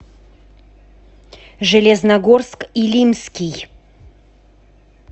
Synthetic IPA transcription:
ʐɨlʲɛznɐɡorskilʲimskʲij

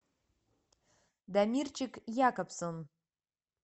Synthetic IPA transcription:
d̪amʲirt͡ʃʰɪkjakapʰsɨn

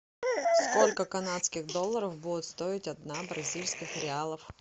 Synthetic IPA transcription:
sko̞lʲkəkɐnat̪skʲɪɣd̪o̞lˠːəɾəfbudʲɪt̪st̪o̞ɪtʲɐd̪nabɾɐzʲilʲskʲɪxɾʲɪalˠəf

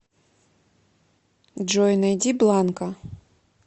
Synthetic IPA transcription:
d͡ʒɔjnɐjdʲiblˠɑnkɐ

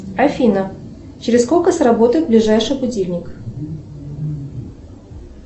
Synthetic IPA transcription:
ɐfʲinə | t͡ɕɪɾʲɪskolʲkəsɾɐbo̞t̪əjɪt̪̚blʲɪʐajʂɨjbʊdʲilʲnʲɪk

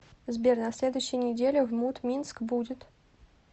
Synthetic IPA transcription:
zbʲerʲnasʲlʲed̪ʊjʊɕːɪjənʲɪdʲelʲɪvmut̪mʲinskbudʲɪt̪

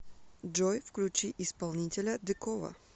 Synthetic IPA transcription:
d͡ʒojfklʲʉt͡ɕiʔɪspɐlˠnʲitʲɪlʲəd̪ɨkovɐ̰

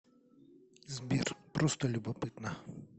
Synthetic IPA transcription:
zʲbʲirpɾʔɔst̪ɔlʲubɐpɪt̪nɐ

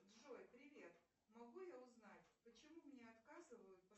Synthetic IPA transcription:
d̪ʐo̞jpɾʲɪvʲe̞t̪ | mɐɡujaʊznatʲpət͡ɕɪmumnʲeɐt̪kazɨvəjʊt̪̚p

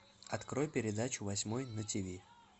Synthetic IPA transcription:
ɐt̪kɾojpʲɪɾʲɪd̪at͡ɕʊvɐsʲmojnətʲivʲi

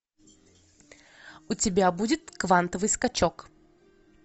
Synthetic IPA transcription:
ʊtʲɪbʲabudʲɪt̪kvant̪əvɨjskɐt͡ɕok

